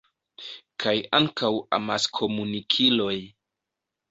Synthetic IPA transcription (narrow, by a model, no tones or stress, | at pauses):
kʰajaŋkawa̰maskʰo̞munikʰilo̞j